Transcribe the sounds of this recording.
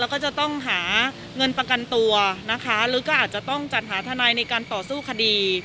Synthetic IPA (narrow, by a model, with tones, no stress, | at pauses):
ɛ˧˥wkɔː˥˩t͡ɕa˨˩t̪ɔ˥˩ŋɦaː˩˦ | ŋɤ˧npɾa˧ka˧nt̪u˧ɐna˦˥kʰa˦˥ɾɯː˩˦kɔː˥˩ʔaː˨˩t̪̚t͡ɕa˨˩ʔt̪ɔ˥˩ŋt͡ɕa˨˩t̪̚ɦaː˩˦t̪ʰa˧naː˧jna˧jkaː˧nt̪ɔː˨˩suː˥˩kʰa˧diː˧